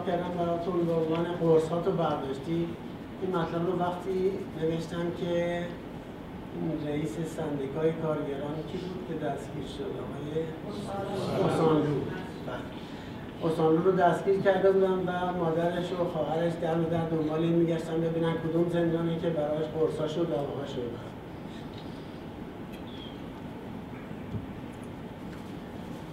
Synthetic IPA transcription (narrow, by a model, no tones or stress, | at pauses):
kʰʲæɾd̪æmbæɾɒːt̪ʰunbeo̞nvɒːne̞ɡoɾshɒːt̪ʰobæɾd̪ɒːʃt̪i | inmæt̪ʰlæbɾovæxt̪ʰiːne̞ve̞ʃt̪æmcʲʰe | reiːsesænd̪ikʰɒːjekʰɒːɾɡæɾɒːnicʰibuːd̪̥cʰe̞d̪æst̪ɡ̥iːɾʃod̪ɒ̰ːɣɒ̰ːje | osɒnd̪uː | b̥æle | ost̪ɒːnd̪uːɾod̪æsɟiːɾcʰæɾd̪ebuːd̪ænvæmɒːd̪æɾeʃoxɒːɦæɾeʃd̪æɾmud̪æɾd̪ombɒːlemiːɟæʃt̪ænbe̞biːnænkʰod̪umzenɾɒːnecʰe̞bæɾɒːjæʃboɾsɒːʃod̪ɒvɒhɒʃod̪æ̰